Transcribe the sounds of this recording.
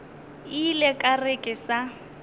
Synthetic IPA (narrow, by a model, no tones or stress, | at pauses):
ilɛkʼarekʼɪsa